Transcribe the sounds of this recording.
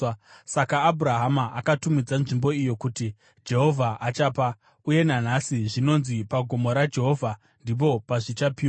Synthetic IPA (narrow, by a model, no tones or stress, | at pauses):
sakaːbʱuɾaɦamaʔakatumid͡zanʐimbo̞ijo̞kuti | d͡ʒe̞ɦo̞vʱaʔat͡ʃaːpa | uje̞nan̤asiʐino̞nzipaɡʱo̞mo̞ɾad͡ʒe̞ɦo̞vʱa | ndip̬o̞paʐit͡ʃapiːa